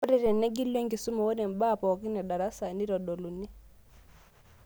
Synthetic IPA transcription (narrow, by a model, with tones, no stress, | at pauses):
ɾi˦˨ɾɛ˨nɛ˦ɡi˦le˦ŋɡi˨su˦mɔ˨wɔ˦nɛ˨m˨ba˦˨pɔ˨ki˦nɛ˨ɗa˨ɾa˦sa˨ni˦ɾɔ˨ɗɔ˨lu˨ni˦